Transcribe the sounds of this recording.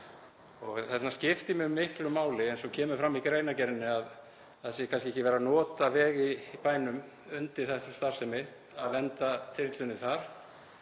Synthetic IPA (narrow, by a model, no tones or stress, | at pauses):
ɔɣθɛsnascɪft̪ɪmɛʏmːɪhklʏmaːwlɪɛjnsɔcʰɛːmʏɾfɾamːikɾeːjnacɛɾnːɪað | aðsjɛkʰans̬cɪɛhcɪvɛːɾanɔːt̪avɛːɣipaːjnʏm | ʏnt̪ɪ̥θɛtʏ̥st̪ar̥sɛmːɪt̪ | aðvɛnt̪aθɪɾt̪lʏnːɪθaɾ̥